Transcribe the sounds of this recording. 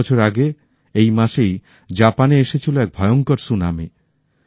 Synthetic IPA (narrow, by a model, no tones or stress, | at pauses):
t͡ɕʰoɾaɡe | ejmaʃej | d͡ʑapaneeʃet͡ɕʰiloɛk̚bʱɔeoŋkoɾsunami